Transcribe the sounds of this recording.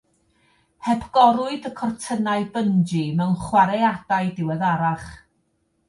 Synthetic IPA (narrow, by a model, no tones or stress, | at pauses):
hɛbʰɡɔɾʊɨdəkʰɔrtʰənaɨbənd͡ʒimɛwnχwaɾejad̥aɨdɪwɛðaɾaχ